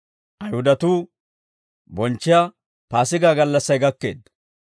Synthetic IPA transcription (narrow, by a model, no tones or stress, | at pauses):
ʔɐjhʊd̪ɐt̪uː | bɔnt͡ʃːɪja | paːsɪɡaːɡɐlːɐsːɐjɡɐkːe̞̰ːd̪ːɐ